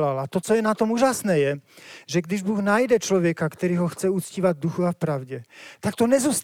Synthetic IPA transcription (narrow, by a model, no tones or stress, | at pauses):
lalat̪ɔt͡sɔjɛnat̪ɔmuːʒasnɛːjɛʒɛɡd̪iʒbuːɣnaːjd̪ɛt͡ʃlɔʋjɛkakt̪ɛɾiːɦɔxt͡sɛut͡sciːʋaɟd̪uxuafpɾaʊɟɛt̪akt̪ɔɲɛzuːst̪